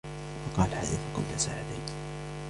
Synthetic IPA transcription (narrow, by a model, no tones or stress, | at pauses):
fɑqɑːlahaːðafakʊ̰mt̪asa̰ːʕɪd̪a̰